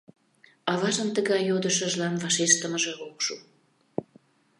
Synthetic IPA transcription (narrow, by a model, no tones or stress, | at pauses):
ɑβɑʒəmt̪əɣɑjːod̪əʃəʒlɑnvɑʃeʃt̪əməʒeokʃu